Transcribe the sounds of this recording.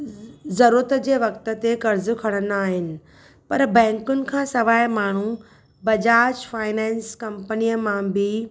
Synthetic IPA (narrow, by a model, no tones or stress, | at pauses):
zɐɾuɾət̪d͡ʑeːʋɐkt̪ə̆t̪ekɐɾzʊkʰɐɽ̃ənaːɦɪnɪ̆ | pɐɾbɛ̃ːŋkʊnɪ̆kʰãːsɐʋaːjmaːɳ̤u | bɐd͡ʑaːd͡ʑfaːɪnɛ̃ːnskɐmpənijəmãbɪ